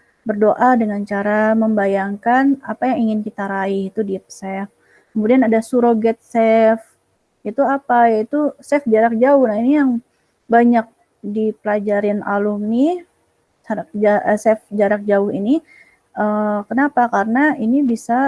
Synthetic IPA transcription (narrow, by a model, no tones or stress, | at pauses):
bərdoʔadəŋant͡ʃaɾaməmbajaŋkana̰pajaŋiŋɪnkit̪aɾaihit̪udiɛp̚sɛf | kəmudianadasuɾoɡɛt̪̚sɛf | it̪uapajait̪usɛfd͡ʒaɾak̚d͡ʒaʊhnainijaŋ | baɲak̚ | dipəlad͡ʒaɾɪna̰lʊmni | saɾak̚d͡ʒaəsɛfd͡ʒaɾak̚d͡ʒaʊhḭni | əkənapakarənainibisa